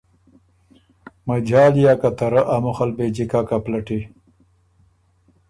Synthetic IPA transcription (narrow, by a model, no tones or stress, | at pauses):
mɐd͡ʒaːljaːkat̪ɐɾəʔamʊxalbed͡ʑikakaplɐʈi